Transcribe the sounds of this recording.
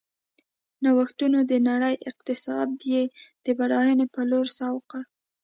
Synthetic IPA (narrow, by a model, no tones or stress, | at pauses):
nawaxt̪unod̪ənaɽəjʔɪq̚t̪ɪsɑd̪jed̪̥əbaɽɑjənepəloɾsɑwqəɽ